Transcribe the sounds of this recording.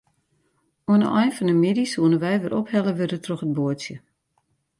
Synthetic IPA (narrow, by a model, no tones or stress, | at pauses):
oənə̰ʔɔjnfɔnəmidisuənəʋɛjʋɪɾʔophɛləʋøɾətrɔxəd̚boəsjə